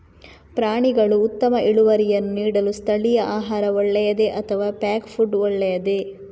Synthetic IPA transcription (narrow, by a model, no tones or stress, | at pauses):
pɾaːɳiɡɐɭuːt̪ːɐmɐʔiɭuʋɐɾijɐnːuniːɽɐlust̪ʰɐɭijɐʔaːɦaːɾɐɔɭːɛjɐd̪e̞ʔɐt̪ʰɐʋaːpaːkpʰuɖɔɭːɛjɐd̪e